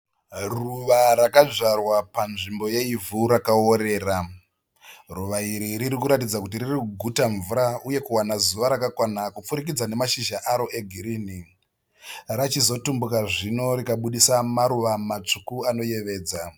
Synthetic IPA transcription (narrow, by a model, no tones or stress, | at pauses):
ruʋaɾakad͡ʐarwapanʐimbo̞je̞ivuɾakao̞ɾe̞ːra | ruʋaiɾiɾiɾikuɾatid͡zakut̬iririkuɡʱutaɱvuɾauje̞kuwanazuʋaɾakakwanakup͡fuɾik̬id͡zane̞maʃiʒaʔaɾo̞ʔe̞ɡʱiɾiːni | rat͡ʃizo̞tumbukaʐino̞ɾikaɓuɗisamaɾuʋamat͡ʂukuano̞je̞ʋe̞ːd͡za